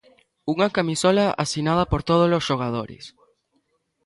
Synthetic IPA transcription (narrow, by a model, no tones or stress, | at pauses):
uŋɐkamisɔlaa̰sinað̞ɐpoɾt̪oð̞olosʃoɣað̞oɾɪ̰s